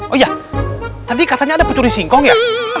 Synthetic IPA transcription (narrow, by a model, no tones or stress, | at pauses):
ʔoja | t̪adikat̪aɲaːdapət̪uɾisiŋkɔŋja